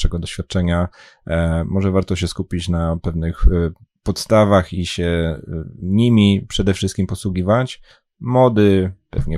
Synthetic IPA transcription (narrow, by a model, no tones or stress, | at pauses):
ɛɡɔd̪ɔɕfʲjat̪̚t͡ʂɛɲa | mɔʐɛvaɾt̪ɔɕ̬ɛskupʲit͡ɕnapɛvnɘx | pɔt̪st̪avaxiɕɛ | ɲimʲipʂɛd̪ɛfʂɘst̪kʲimpɔswuɡʲivat͡ɕ | mɔd̪ɘpɛ̰vɲɛ